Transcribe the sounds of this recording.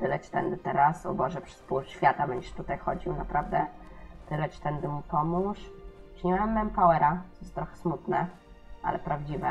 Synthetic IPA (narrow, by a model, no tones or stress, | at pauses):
t̪ɘlɛt͡ɕi̥t̪ɛnd̪ɘt̪ɛɾasɔ̰bɔʐɛpʂɘ̥spuɾɕfʲjat̪abɛɲd͡ʑɛʂt̪ut̪ajxɔd͡ʑiwnapɾavd̪ɛ | t̪ɘlɛt͡ɕi̥t̪ɛnd̪ɘmupɔmuʂʂɲɛmɛmːɛmpawɛɾaɔjɛst̪ɾɔxɛ̥smut̪nɛ | ʔa̰lɛpɾavd͡ʑivɛ